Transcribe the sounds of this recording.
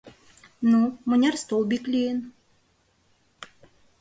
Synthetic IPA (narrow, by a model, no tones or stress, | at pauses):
numɤ̆nʲarst̪olˠbʲiklʲijen